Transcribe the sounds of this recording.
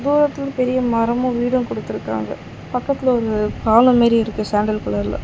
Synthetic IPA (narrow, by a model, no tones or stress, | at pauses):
d̪uːɾɐt̪ːɪlpɛɾɪjɐmɐɾɐmʊ̃ʋiːɽɐmkɔɽɯt̪ːɯɾɯkːa̰ːŋɡɐ | pɐkːɐt̪ːɪlɔɾɯpaːlɐ̃meːɾiɪɾɯkːɯsaːɳɖɐlkɐɭɐɾɪlɐ̰